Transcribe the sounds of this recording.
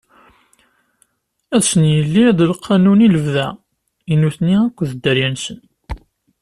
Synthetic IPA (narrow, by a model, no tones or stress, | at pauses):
æðsənjəlːiðəlqʰːɑnuniləvðæ | inuθniækʷːðəd̪ːəɾjænsən